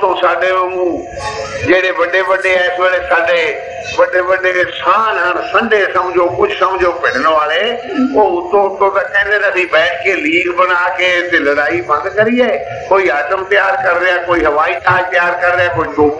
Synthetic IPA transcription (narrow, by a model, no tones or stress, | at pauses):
t̪õsaːɖemẽmũː | d͡ʑeːɽeʋɐɖeʋɐɖeaːseɽesaːɖe | ʋɐɖeʋɐɖesaːnɦɐɾsɐ̃ɳɖʱesɐ̃mɪd͡ʒokʊd͡ʑʱʊsɐmɪd͡ʒopɪɽ̤ɪnoʋaːɭe | oʊt̪õʊt̪ot̪ɐkʰɛ̃ːnd̪et̪ɐsibɛ̃ːʈkeːliːɡbɐnaːkeːt̪elɐɽaːibʱɐ̃nd̪kɐɾiaːe | koːiat͡ʃəmt̪jaːɾkɐɾɾɪjãkoːiɦɐʋaːit̪aːt̪jaːɾkɐɾɾjãkoːid̪oː